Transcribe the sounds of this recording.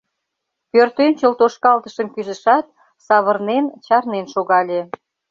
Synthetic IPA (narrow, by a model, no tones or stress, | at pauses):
pørt̪ønt͡ɕəlt̪oʃkɑlt̪əʃəmkyzə̆ʃɑt̪̚ | sɑβərnent͡ɕɑrnenʃoɣɑlʲe